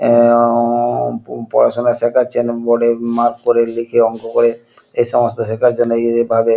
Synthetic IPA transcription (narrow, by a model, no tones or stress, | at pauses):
pɔ̰ɾasonaʃɛkʰat͡ʃʰenbɔɽemaɾkkoɾelikʰeɔŋkʰokoɾe | ejʃɔmɔst̪ʰɔʃ̬ɛkʰaɾd͡ʒonːɔebʱabe